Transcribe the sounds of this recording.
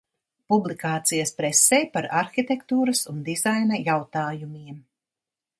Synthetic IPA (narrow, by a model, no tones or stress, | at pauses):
publˠikaːt̪sijɐspɾɛsɛjpaɾaɾxit̪ekt̪uːɾɐsund̪izajnɐjawt̪aːjumiɛm